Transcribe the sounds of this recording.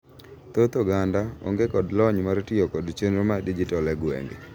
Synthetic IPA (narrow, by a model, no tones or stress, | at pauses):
t̪ot̪oɡandao̰ŋɡekɔdlɔɲmaɾtɪɔkɔdt͡ʃenɾomadid͡ʒitɔlɛɡwḛŋɡe